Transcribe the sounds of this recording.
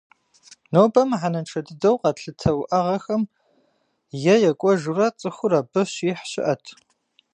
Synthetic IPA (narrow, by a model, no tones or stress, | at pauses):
nowbɐmʕanɐnʈ͡ʂʰɐdɨdɐwqɐtɬɨtʰɐwʔɐʁɐxɐm | jɛjɛkʷʼɔʒurɐt͡sʼɨxʷʊrɐbɨɕiːħɕɪ̰ʔɐtʰ